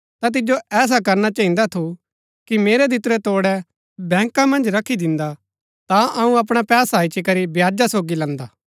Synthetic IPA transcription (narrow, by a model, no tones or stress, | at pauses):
t̪ãt̪̬ɪd͡ʒoʔɛːs̬akɐɾnat͡ʃɐ̃ɦĩnd̪at̪ʰu | kimeːɾed̪ʱɪt̪ɾɛt̪oːɽɛ | bɛ̃ːŋkãmɐ̃nd͡ʒɾɐkʰːid̪ɪ̃nd̪a | t̪aɐũɐp̬ɽ̃apɛːsait͡ʃikɐɾibjaːd͡ʒasoːɡilɐ̃nd̪aː